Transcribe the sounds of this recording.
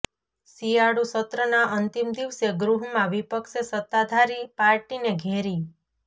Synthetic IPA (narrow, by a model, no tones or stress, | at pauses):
sijaɽusət̪ɾənaʔənt̪imd̪iʋseɡɾuɦmãʋipəkʃesət̪ːad̪ʱaɾipaɾʈineɡʱeɾi